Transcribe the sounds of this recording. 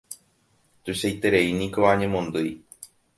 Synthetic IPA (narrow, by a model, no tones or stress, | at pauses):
t̪uʃajt̪eɾeinĩkoʋaɲẽmõ̞nd̪ɨj